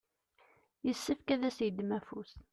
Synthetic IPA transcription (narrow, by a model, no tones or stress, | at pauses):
jəsːəfkæðæsjəd̪mæfus